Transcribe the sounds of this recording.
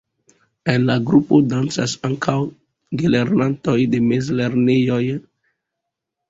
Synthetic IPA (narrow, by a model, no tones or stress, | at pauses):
enlaɡɾupodansasaŋkʰaw | ɡeleɾnantojdemezleɾnejoj